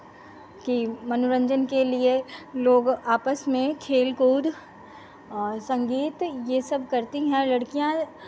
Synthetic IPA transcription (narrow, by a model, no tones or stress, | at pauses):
kimɐnʊɾə̃ɲd͡ʒənkelieloːɡaːpəsmẽkʰeːlkuːd̪ | ɔːɾsɐ̃ŋɡiːt̪jesɐbkɐɾt̪iɦɛ̃lɐɽkijã